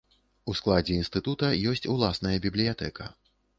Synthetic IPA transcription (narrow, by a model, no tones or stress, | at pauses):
usklˠad͡zʲɛinst̪ɨt̪ut̪ɐjɔsʲt͡sʲulˠasnɐjɐbʲiblʲijat̪ɛkɐ